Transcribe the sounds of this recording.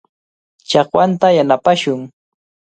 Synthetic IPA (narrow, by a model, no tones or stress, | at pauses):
t͡ʃɑχwant̪ajanapaʃʊŋ